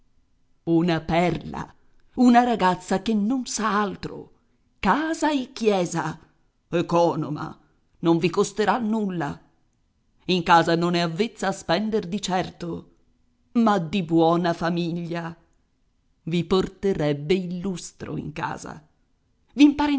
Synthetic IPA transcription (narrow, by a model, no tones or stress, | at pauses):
unapɛrla̰ | unaɾaɡat̪sːakenːonsaalt̪ɾo̰ | kaːzaekːjɛːza | ekɔːno̰ma̰ | noɱvikost̪eɾanːulːa | iŋkaːzanonɛavːet̪sːaːspɛnd̪erd̪it͡ʃɛrt̪o | mad̪ibwɔːnafamiʎːa | viport̪eɾɛbːeilːust̪ɾo̰ḭŋka̰ːza̰ | vimpaːɾi